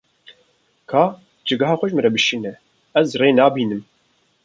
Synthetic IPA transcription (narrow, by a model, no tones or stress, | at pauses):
kʰɑː | d͡ʒɨɡɑɦɑːxʷʊʒmɨɾɛbɨʃinɛ | ɛzreːnɑːbiːnɨm